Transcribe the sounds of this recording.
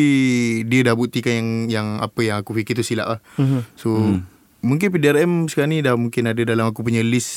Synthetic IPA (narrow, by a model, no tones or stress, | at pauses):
diədahbut̪ikanjaŋjaŋa̰pəjaŋakufikɪrt̪usila̰ʔlahso | muŋk̬ɪnpidiarɛmsə̥kaɾnidamuŋkɪnadədalamakup̬əɲəlɪs